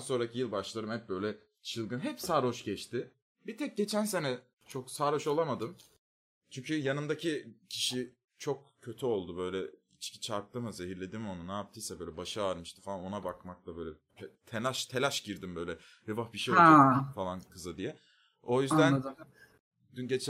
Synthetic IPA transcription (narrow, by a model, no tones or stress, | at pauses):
anso̞ɾacʰijɯlˠbaʃlˠaɾɯmhɛp̚bø̞jlʲɛ | t͡ʃʰɯlˠɡɯnɦɛpsaːɾoʃɟɛt͡ʃt̪ʰɪ | bit̪ʰɛc̚ɟe̞t͡ʃʰænse̞nɛ | t͡ʃʰoksaːɾo̞ʃolˠamad̪ɯm | t͡ʃʰyɲcʰyjanɯmd̪acʰicʰiʃi | t͡ʃʰo̞k̚cʰːø̞t̪ʰyo̞lˠd̪ubø̞jlʲɛ | it͡ʃci̥t͡ʃʰaɾk̚t̪ɯmɯzeɦiɾlʲe̞d̪imo̞nunaːp̚t̪ʰɯjsɛbø̞jlʲɛbaʃɯaɾmɯʃt̪ɯ̥falˠano̞nabakmak̪̚ˠabø̞jlʲɛ | t̪ʰelʲaʃt̪ʰe̞lʲaʃɟiɾd̪imbø̞jlʲɛ | ɾevafbiʃijofalˠankʰɯzad̪ijɛ | o̞jyzd̪æn | d̪ynɟet͡ʃ